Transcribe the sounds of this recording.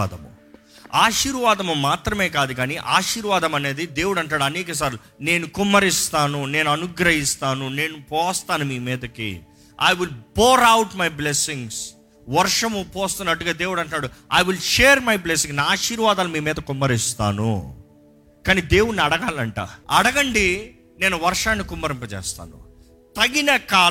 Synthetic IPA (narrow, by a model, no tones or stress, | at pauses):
d̪ɐmṵ | aːʂiːɾʋaːd̪ɐmumaːt̪ɾɐme̞ːkaːd̪uɡaːniʔaːʂiːɾʋaːd̪ɐmɐne̞ːd̪id̪e̞ːwuɽɐɳʈnaːɽuɐniːkɐs̬aːɾu | ne̞ːnukumːɐɾist̪aːnune̞ːnuɐnuɡɾɐɦist̪aːnune̞ːnupɔːst̪aːnumiːmiːd̪ɐkḭ | a̰jʋilboːɾɐwʈmɐjblesiŋɡs | ʋɐɾʂɐmupɔːst̪unːɐʈːuɡaːd̪e̞ːwuɽɐɳʈaːɽua̰jʋilʃeːɾmɐjbles̬iŋnaaːʃiːɾʋaːd̪aːlumiːmiːd̪ɐkumːɐɾist̪a̰ːnṵ | kaːniːd̪e̞ːwuɽnɐɽɐɡaːlɐɳʈa̰ːɐɽɐɡɐɳɖi | ne̞ːnuʋɐɾʂaːnːikumːɐɾimpɐt͡ʃɛ̰ːst̪a̰ːnṵ | t̪ɐɡinɐkaː